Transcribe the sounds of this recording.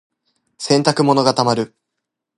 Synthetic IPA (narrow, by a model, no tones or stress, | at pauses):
sẽ̞nt̪akɯ̟mo̞no̞ɡat̪amaɾɯ̟